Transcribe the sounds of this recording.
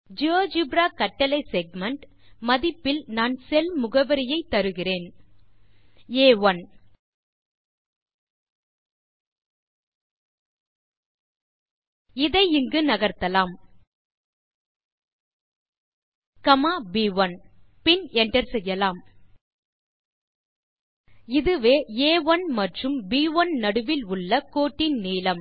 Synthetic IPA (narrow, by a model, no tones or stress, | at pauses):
d͡ʒɪoːd͡ʒubɾaːkɐʈːɐlɐɪsɛɡ̚mɐɳʈ | mɐðɪpːɪlnaːnsɛlmʊɣɐʋɐɾɪjɐɪt̪ːɐɾɯɣɪreːn | eːʋɐn | ɪðɐɪɪŋɡɯnɐɣɐɾt̪ɐlaːm | kɐmaːbiːʋɐnpɪnɛɳʈɐɾsɛjːɐlaːm | ɪðɯʋeːeːʋɐnmɐʈrɯmbiːʋɐnnɐɽɯʋɪlʊɭːɐkoːʈːɪnniːlɐm